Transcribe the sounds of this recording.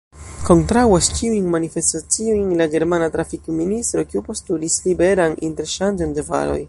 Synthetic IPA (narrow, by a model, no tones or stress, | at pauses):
ko̞ntɾawast͡ʃiujnmanife̞stat͡sio̞jnlaɡe̞ɾmanatɾafikministɾo̞kiupo̞stulislibe̞ɾaninte̞ɾʃand͡ʒondeva̰ɾo̞̰j